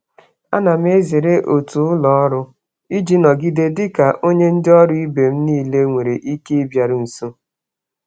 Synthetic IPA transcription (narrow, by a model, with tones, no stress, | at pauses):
a˦na˨m˦e˦zi˨ɾe˦ʔo˨tu˨ʊ˦lɔ˨ɔ˦ɾʊ˦ | i˦d͡ʒi˦nɔ˨ɡi˦de˦dɪ˦ka˨ʔo˦ɲe˦n̩˦dɪ˦ɔ˦ɾʊ˦i˦be˨m̩˦niː˦˨le˦ŋʷe˨ɾe˨ʔi˦ke˦i˦bja˨ɾʊ˨n̩˨so˦